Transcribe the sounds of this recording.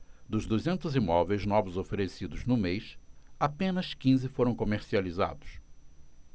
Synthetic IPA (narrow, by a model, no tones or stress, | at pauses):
d̪ʊzd̪uzẽnt̪ʊzimɔvejznɔvʊzofeɾesid̪ʊznʊmejsapẽnɐskĩzɪfoɾɐ̃w̃komeɾsializa̰d̪ʊ̥s